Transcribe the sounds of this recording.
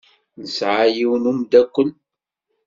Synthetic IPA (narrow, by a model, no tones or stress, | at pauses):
nəsʕajiwnumd̪ækʷːən